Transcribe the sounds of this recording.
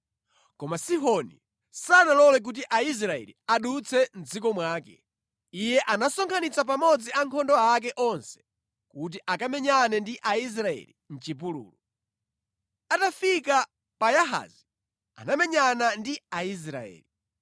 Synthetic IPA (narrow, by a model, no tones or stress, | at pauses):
kɔmasiɦɔnḭ | sanalɔlɛk̬ut̬iʔais̬ɾaɛ̰lḭaɗut͡sʰɛm̩d͡zikɔmwaːkɛ | ijɛʔanasɔŋkʰanit͡sap̬amɔd͡ziaŋkʰɔndɔak̬ɛʔɔnsɛ̥ | kut̬iʔakamɛɲanɛndiʔais̬ɾaɛ̰lin̩t͡ʃipulṵːlu | atafika | pajaɦa̰zi | a̰namɛɲanandiais̬ɾa̰ɛ̰ːli